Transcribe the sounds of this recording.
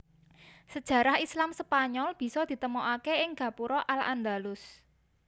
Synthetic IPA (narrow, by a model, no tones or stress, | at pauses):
səd̥ʒ̥ä̤ɾahislamsəpaɲɔlb̥i̤sɔd̪̥i̤t̪əmoʔakeɪŋɡ̥a̤puɾɔʔala̰nd̪alʊs